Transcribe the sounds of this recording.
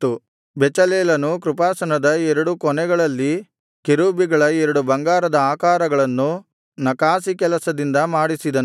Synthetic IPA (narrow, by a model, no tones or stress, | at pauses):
u | bɛt͡ʃɐleːlɐnukɾupaːsɐnɐd̪ɐɛɾɐɽukɔnɛɡɐɭɐlːi | keɾuːbiɡɐɭɐɛɾɐɽubɐŋɡaːɾɐd̪ɐaːkaːɾɐɡɐɭɐnːu | nɐkaːsikɛlɐsɐd̪ind̪ɐmaːɽisid̪ɐn